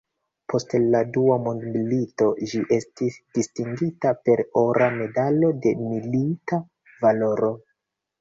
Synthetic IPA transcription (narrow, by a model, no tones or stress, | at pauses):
pʰo̞stladuamondmilito̞d͡ʒiʔe̞stisd̥istiŋɡitape̞ɾoɾame̞dalo̞de̞milita | valo̞ɾo̞